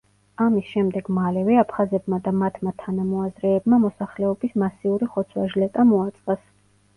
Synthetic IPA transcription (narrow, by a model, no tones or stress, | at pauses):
amisʃɛmd̪ɛɡ̥malɛvɛapʰχazɛbmad̪amat̪ʰmat̪ʰanamɔazɾɛːbmamɔsaχlɛɔbismasiuɾiχɔt̪sʰwaʒlɛt̪ʼamɔat̪sʼqʼas